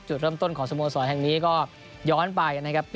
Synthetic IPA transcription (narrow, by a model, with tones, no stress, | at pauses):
t͡ɕu˨˩t̪̚ɾɤː˥˩mt̪o˥˩nkʰɔː˩˦ŋsa˧muː˧sɔː˩˦nɦɛ˨˩ŋniː˦˥kɔː˥˩ | jɔː˦˥npa˧jka˧nːa˦˥kʰa˦˥p̚ː